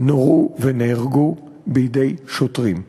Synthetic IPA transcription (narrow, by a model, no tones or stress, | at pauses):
noʁuveneiʁɡu | bijide̞jʃotʁim